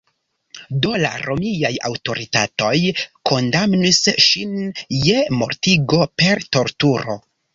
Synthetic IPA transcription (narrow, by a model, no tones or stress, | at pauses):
do̞la̰ɾʔo̞miajawto̞ɾitato̞jko̞ndamnisʃinje̞mo̞̰ɾtiɡo̞pe̞ɾto̞ɾtuɾo̞̰